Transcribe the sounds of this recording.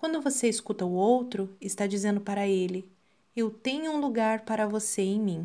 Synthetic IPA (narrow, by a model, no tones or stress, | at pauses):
kwɐ̃nd̪ʊvoseiskut̪ɐʊowt̪ɾʊɪst̪ad͡ʒizẽnd̪ʊpaɾɐelɪ | ewt̪ẽɲʊũluɡaɾpaɾɐvoseẽj̃mĩ